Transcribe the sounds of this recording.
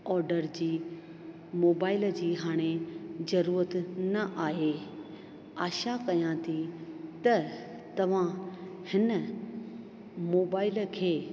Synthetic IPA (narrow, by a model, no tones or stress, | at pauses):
ɔːɾɖəɾd͡ʑiː | moːbaːɪld͡ʑiːɦaːɽ̃ezɐɾuːɾət̪nɐʔaːɦe | aːʃakɐjãt̪ʰit̪ɐ | t̪ɐʋ̤ãhɪnə | moːbaːɪlkʰeː